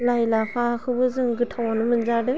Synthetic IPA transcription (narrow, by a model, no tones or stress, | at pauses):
lajlapʰakʰɯbɯzɯŋɡɯtʰawanɯmɯnzadɯ